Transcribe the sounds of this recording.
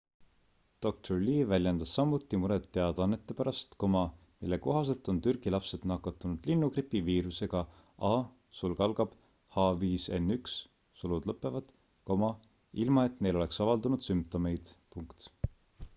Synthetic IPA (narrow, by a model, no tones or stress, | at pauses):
d̪̥o̞k̚t̪ʰorliːvælʲjend̪̥ɑsːɑmːut̪ˑːimuɾet̪ːe̞ɑd̪̥ɑnːe̞t̪ːˑe̞pæɾɑst̪ko̞mɑ | milːe̞ko̞ɦɑs̬e̞lt̪ˑo̞nt̪yrɡ̥ilɑpse̞d̪̥nɑkːˑɑt̪ːˑunud̪̥linːukripːiviːɾuse̞ɡ̥ɑ | ʔɑː | sulkɑlɡ̥ɑb̥ | hɑviːse̞̰nːyksː | ulud̪lɤpːˑe̞vɑd̪̥ | ko̞mɑ | ilmɑe̞t̪ne̞lo̞e̞ksɑvɑld̪unud̪̥sympt̪o̞me̞jd̪̥puŋkt̪